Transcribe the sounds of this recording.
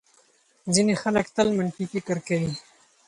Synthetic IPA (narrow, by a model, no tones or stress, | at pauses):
zinexɐləkt̪əlməɳʈipikəɾkawi